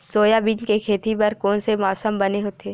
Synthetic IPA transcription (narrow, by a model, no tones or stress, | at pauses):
soːjabɪ̃d͡ʒkekʰeːt̪ipɐɾkoːnsemɔːsəmbɐneɦoːt̪eː